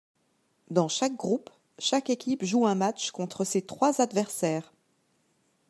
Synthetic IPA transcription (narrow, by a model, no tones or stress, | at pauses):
d̪ɑ̃ʃak̚ɡʁup | ʃakekʲipʒuɛ̃mat͡ʃkɔ̃t̪χəset̪χwazad̪vɛʁsɛːʁ